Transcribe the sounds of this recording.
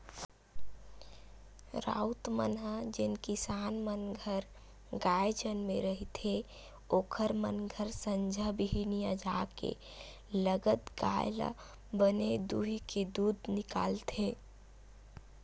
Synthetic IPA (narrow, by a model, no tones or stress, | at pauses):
ɾa̰ʊt̪mə̰nɦəd͡ʒɪnkisaːnmənɡʱəɾ | ɡajd͡ʒənmeɾəɦit̪ʰe | oːkʰəɾmə̰nɡʱəɾsəɲd͡ʒʱəbiɦinijad͡ʒakḛ | ləɡət̪ɡa̰jla̰ | bəned̪uɦiked̪ud̪nɪka̰ːlt̪ʰe